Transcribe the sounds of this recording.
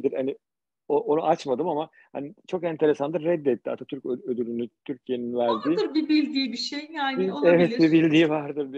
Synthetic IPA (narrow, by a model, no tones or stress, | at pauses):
d̪iɾhani | oʔonuʔat͡ʃmad̪ɯmama | ha̰nit͡ʃʰo̞kɛnt̪ʰe̞ɾe̞sand̪ɯɾːɛd̪ːɛt̪ːia̰t̪ʰat̪ʰyɾcøød̪ylʲynyt̪ʰyɾcʰijeninvæɾd̪iːd̪ɯɾbibilʲd̪iːbiʃejjaievɛt̪bibilʲd̪iːvaɾd̪ɯɾbi